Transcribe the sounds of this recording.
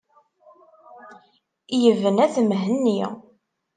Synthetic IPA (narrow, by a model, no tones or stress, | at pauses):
jəvənæθmɦənːi